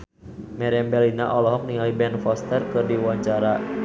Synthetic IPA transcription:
mɛɾɛɛmbɛlinaʔɔlɔɦɔŋ̚niŋalibɛnfɔst̪ərkɨrdiwaɲt͡ʃaɾa

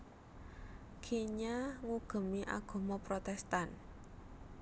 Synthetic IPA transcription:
kʰeɲaŋuɡ̥ə̤miʔa̰ɡ̥o̤mɔpɾot̪ɛst̪an

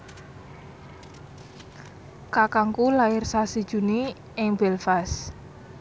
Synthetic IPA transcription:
kakaŋkulaɪrsasid̥ʒ̥uni | ɪŋbɛlfas

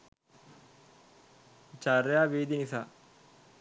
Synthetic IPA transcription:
t͡ʃaɾjaʋiːd̪inisa

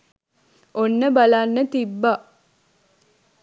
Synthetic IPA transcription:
onːəbɐlanːət̪ibːa

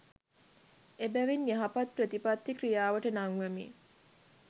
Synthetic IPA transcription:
ebæʋinːiɦapat̪̚pɾət̪ipat̪ːikɾijaːʋəʈənaŋʋemḭ

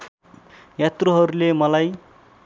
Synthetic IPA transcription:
jat̪roɦʌɾulemʌlaj

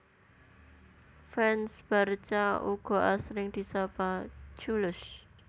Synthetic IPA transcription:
fɛnsb̥art͡ʃauɡ̥ɔʔasɾɪŋd̥i̤sapat͡ʃulʊʃ

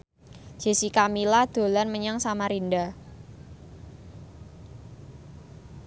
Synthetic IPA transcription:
d͡ʒ̥e̤sikamilad̪̥o̤lanməɲaŋsamaɾinda

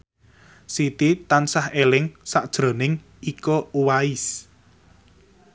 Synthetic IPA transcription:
sit̪it̪ansahelɪŋsaʔd̥ʒ̥ɾo̤nɪŋ | ikɔuwaɪs

